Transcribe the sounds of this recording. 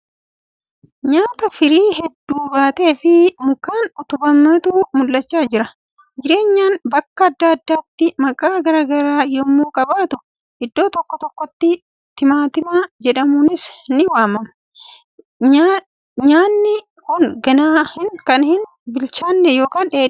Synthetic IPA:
ɲaːt̪ɐfɪɾiːɦɛd̪ːuːbaːt̪e̞ːfɪmʊkːaːnʊt̪ʊbɐmɐt̪uːmʊlːɐt͡ʃːaːd͡ʒɪɾɐ | d͡ʒɪɾe̞ːɲːaːnbɐkːɐːd̪ːaːɐd̪ːaːt̪ːɪmɐkʼaːɡɐɾaːɡɐɾaːjoːmːuːkʼɐbaːt̪ʊ | ʔɪd̪ːo̞ːt̪ɔkːɔt̪ɔkːɔt̪ːɪ | t̪ɪmaːt̪ɪmaːd͡ʒɛᶑɐmuːnɪsnɪwaːmɐmɐ | ɲaːnːɪ | kʊŋɡɐnaːhɪnkɐnhɪn | bɪlt͡ʃaːnːɛjo̞ːkaːneː

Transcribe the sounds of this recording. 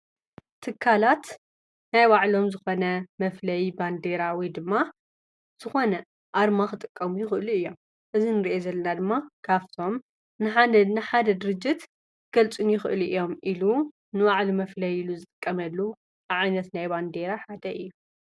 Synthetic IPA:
t̪ʰɨkʰːalat̪ | najwaʕlomzɨxo̞nɐmɐflɐjband̪e̞ɾawid̪ɨmːa | z̥ɨxo̞nɐ | ʔaɾmaxɨt̪ʼɨkʼːɐmujɪxɨʔɨluɨjːo̞m | ʔɨzinɨɾiʔezɐlːɐnad̪ɨmːakʰaft̪ʰo̞m | nɨħanɨħad̪ɐd̪ɨɾɨd͡ʒːɪt̪ | ɡ̥ɐlt͡sʼunjɪxɨ̰ʔɨlʔɨjo̞mʔilu | nɨwaʕlumɐflɐjiluzɨt̪ʼɨkʼːɐmɐlːu | aʕajnɐt̪najband̪e̞ɾaħad̪ɐʔɨjːu

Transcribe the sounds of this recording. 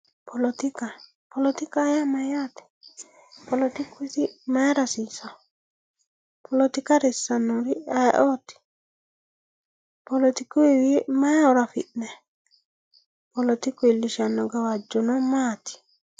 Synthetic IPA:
pɔlɔt̪ika | pɔlɔt̪ikajamajat̪i̥ | pɔlɔt̪ikwesimaɾasisa | pʰɔlot̪ikaɾisanoɾiaʔɔt̪i̥ | polɔt̪ikuewiemaɔɾafḭtnɛ | polɔt̪ikwiliʃanɔɡawad͡ʒonɔmat̪i̥

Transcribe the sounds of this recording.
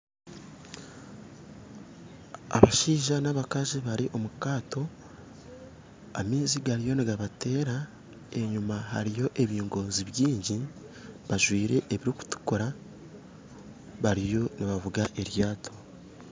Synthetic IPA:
a̰βaʃiːʒanaβakaʒiβaɾiʔo̞mukaːto̞ | a̰miːziɡaɾijo̞niɡaβate̞ːɾa | e̞ɲumaɦa̰ɾijo̞ʔe̞βiːŋɡo̞ːziβjiːɲɟi | βaʒwiːɾe̞ʔeβiɾiku̥tu̥koɾa | βaɾijo̞niβavuɡaʔe̞ɾjaːtʰo̞

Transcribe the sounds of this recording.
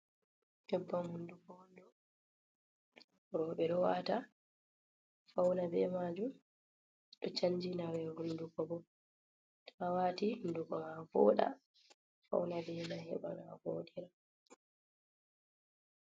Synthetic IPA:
hɛbːahundukɔwɔndɔ | ɾɔɓɛɗɔwata | fawnabɛmad͡ʒum | ɗɔt͡ʃaɲd͡ʒinawɛhundukɔbɔ | taawatindukɔmavɔ̰ːɗa̰ | fa̰wnabɛnahɛ̰ba̰naɡoːɗiɾa

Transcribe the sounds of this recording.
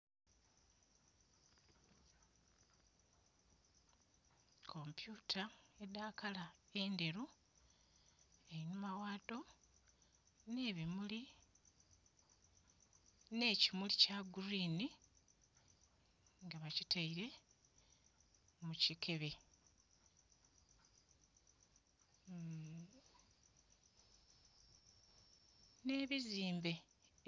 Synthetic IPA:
kʰo̞mpjuːtʰaedaːkalae̞nde̞ɾu | einumawaːto̞ | ne̞ːβimuli | ne̞ːcimulicaɡuɾiːni | ŋɡaβacitʰaiɾe̞ | mucikʰe̞βe̞ | ne̞ːβiziːmbe̞

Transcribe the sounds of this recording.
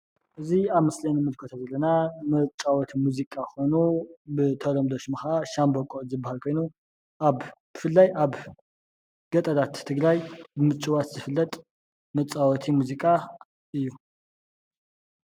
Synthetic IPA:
ʔɨziaβmɨslɐnimɨlkʰot̪ʰazɐlːɐnamɨt͡ʃʼawɔt̪ʰimuzikʼaxo̞nubɨt̪ʰɐlomd̪oʃmɨxaʔaʃambokʼozɨbːahalkʰo̞jnu | ʔaβb̥ɨfɨlːajʔaβ | ɡ̥ɐt̪ʼɐd̪at̪ʰːɨɡɾajbɨmɨt͡ʃʼɨwat̪zɨfɨlːɐt̪ʼ | mɨt͡sʼawɔt̪ʰimuzikʼa | ʔɨjːu

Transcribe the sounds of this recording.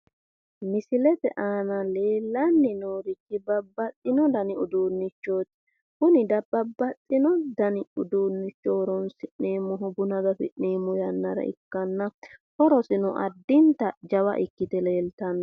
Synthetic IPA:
mɪsɪlɛt̪ɛ̰ʔaːnɐle̞ːlːɐnːɪnoːɾɪkːɪbɐbːɐt͡sʼːɪnɔd̪ɐnɪʊd̪uːnːɪt͡ʃːo̞ːt̪ | kʊnɪd̪ɐb̥ɐbːɐt͡sʼːɪnɔd̪ɐnɪʊd̪uːnːɪt͡ʃːowɾɔnsɪneːmːɔɦʊbʊnɐd̪ɐfɪ̰ᶑeːmɔjɐnːɐɾɐ̰ʔɪ̰kːɐnːɐkɔɾɔsɪnɔʔɐ̰d̪ːɪnt̪ɐd͡ʒɐwɐ̰ʔɪkːɪt̪ɛle̞ːlt̪ɐnːɐ

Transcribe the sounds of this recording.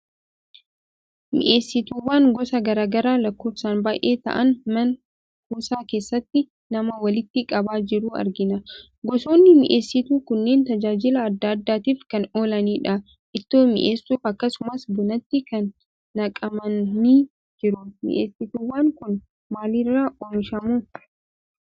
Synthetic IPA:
mɪ̰ʔe̞ːsːɪt̪uːwaːŋɡɔsɐɡɐɾaːɡɐɾaːlɐkːo̞ːfsaːnbaːjʔe̞ːt̪ɐ̰ʔɐnmɐn | huːsaːke̞ːsːɐt̪ːɪ | nɐmɐwɐlɪt̪ːɪkʼɐbaːd͡ʒɪɾuːɐ̰ɾɡɪnɐ | ɡɔso̞ːnːɪmɪ̰ʔe̞ːsːɪt̪uːkʊnːe̞ːnt̪ɐd͡ʒaːd͡ʒɪlɐːd̪ːaːd̪ːaːt̪iːfkɐno̞ːlɐniːᶑɐ | ʔɪt̪ːoːmɪ̰ʔeːsːuːfɐkːɐsʊmɐsbʊnɐt̪ːɪkɐnː | ɐkʼɐmɐniː | d͡ʒɪɾʊmɪ̰ʔeːsːɪt̪uːwaːŋkʊn | maːlɪrːaːʔonʃɐmuː

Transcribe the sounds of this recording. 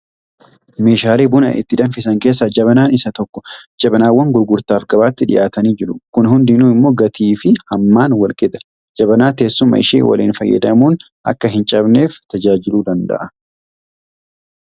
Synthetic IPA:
me̞ːʃaːleːbʊnɐ̰ʔɪ̰t̪ːɪd̪ɐnfɪsɐŋke̞ːs̬ːɐd͡ʒɐβɐnaːnɪsɐt̪ɔkːɔ̥d͡ʒɐbɐnaːwːɐŋɡʊɾɡʊɾt̪aːfɡɐbaːt̪ːɪᶑɪ̰ʔaːt̪ɐniːd͡ʒɪɾʊkʊnhʊnd̪ɪnuːɪmːo̞ːɡɐt̪ʰiːfɪhɐmːaːnwɐlkʼɛd̪ɐ̥ | d͡ʒɐbɐnaːt̪e̞ːsːʊmːɐ̰ɪ̰ʃḛːwɐ̰lḭːnfɐjːɐ̰d̪ɐmuːn | ʔɐ̰kːɐɦɪnt͡ʃʼɐbne̞ːft̪ɐd͡ʒaːd͡ʒɪluːd̪ɐnd̪ɐ̰ʔɐ

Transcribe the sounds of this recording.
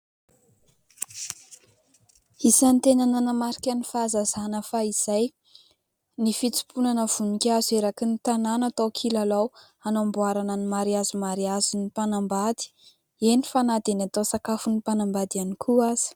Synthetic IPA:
isant̪enananəmaɾikʲanifazazanəfaiz̥aj | nifit͡si̥punanəv̥unikʲazeɾakinit̪ananat̪owkʰilalaw | anambuaɾananimaɾiazumaɾiazinipanambad̪i̥ | enifanad̪enat̪osakafunipanambad̪ianikʰuaz̥i̥

